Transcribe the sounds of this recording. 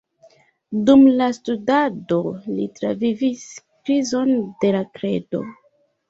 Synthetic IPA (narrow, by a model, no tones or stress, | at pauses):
dumlastudado̞litɾa̰viviskɾizo̞nde̞lakɾe̞̰do̞̰